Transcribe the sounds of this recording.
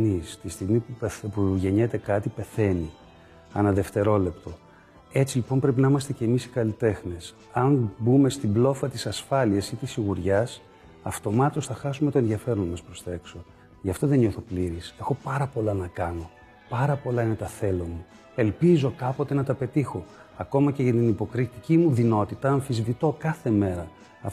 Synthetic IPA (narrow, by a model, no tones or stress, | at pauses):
nist̪ist̪iɣmipupuʝe̞ɲe̞t̪e̞kɐt̪ipe̞θe̞ni | ɐnɐðe̞ft̪e̞ɾo̞le̞pt̪o̞ | e̞t͡silipo̞mpɾe̞pinɐimɐst̪e̞ce̞misi̥kɐlit̪e̞xnes | ɐnbume̞st̪iblo̞fɐt̪isɐsfɐliɐsit̪isiɣuɾʝɐs | ɐft̪o̞mɐt̪o̞sθɐxɐsume̞t̪o̞enðiɐfe̞ɾonɐmɐspɾo̞sθe̞kso̞ | ʝɐft̪o̞ðe̞ɲɲo̞θo̞pliɾise̞xo̞pɐɾɐpo̞lɐnɐkɐno̞ | pɐɾɐpo̞lɐine̞t̪ɐθe̞lomu | e̞lpizo̞kɐpo̞t̪e̞nɐt̪ɐpe̞t̪ixo̞ | ɐko̞mɐceʝɐt̪inipo̞kɾit̪icimuðino̞t̪it̪ɐɐɱfizvit̪o̞kɐθe̞me̞ɾɐ | ɐ